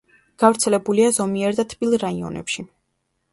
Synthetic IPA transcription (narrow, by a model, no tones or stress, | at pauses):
ɡ̥avɾt̪sʰɛlɛbuliazɔmiɛɾd̪at̪ʰpʼilˠɾaiɔ̰nɛ̰pʃi